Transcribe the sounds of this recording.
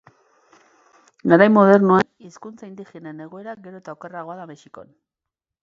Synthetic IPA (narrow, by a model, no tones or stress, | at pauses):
ɡaɾajmoðe̞rnuaniskunt͡saind̪ixenene̞ɣ̞o̞e̞ɾaɡe̞ɾo̞et̪aokeraɣo̞aðamesiko̞̰n